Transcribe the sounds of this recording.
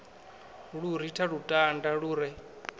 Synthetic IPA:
ɺuɾitʰaɺutʼandaɺuːɾɛ

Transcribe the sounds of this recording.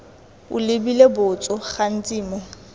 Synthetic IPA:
ʊ̰lɪbilebʊt͡sʼɔχan̩t͡sʼiːmɔ

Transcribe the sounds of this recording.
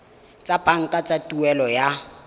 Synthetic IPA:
t͡sʼapʼaŋ̩kʼat͡sʼatʼuɛlɔja

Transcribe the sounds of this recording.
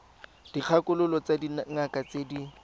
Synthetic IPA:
d̥iq͡χʰakʊlʊlɔt͡sadinŋ̩akat͡sedi

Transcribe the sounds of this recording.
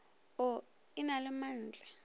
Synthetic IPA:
ɔ | inalɛmanːd͡ɮʱa

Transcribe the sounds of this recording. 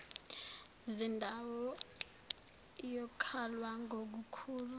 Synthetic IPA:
zindʱawɔ | ijɔkʰalwaŋɡʱok̬ukʰuːlu

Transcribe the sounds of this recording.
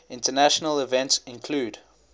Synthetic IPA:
ɪ̃ntənæʃənəlɪvɛ̃ntsɪ̃nkʰluːd

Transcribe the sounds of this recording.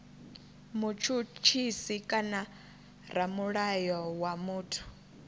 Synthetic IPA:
mut͡ʃʰut͡ʃʰisikʼana | ɾamuɺajɔwamuːtʰu̥

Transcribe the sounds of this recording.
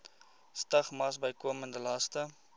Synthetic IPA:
stɐχmɐsbəjkuəməndəlɐstə

